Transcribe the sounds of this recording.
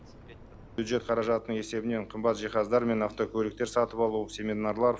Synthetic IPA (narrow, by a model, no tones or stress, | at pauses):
bjud̪ʒe̞t̪̚qʰɑɾɑʒɑt̪ənəɴe̞se̞bɪne̞ɴqʰəmbɑt̪ʒijχɑzd̪ɑɾme̞nɑft̪o̞kʲʰɵlɪk̚t̪e̞ɾsɑt̪əpɑlˠuwəpse̞med̪nɑɾlˠɑɾ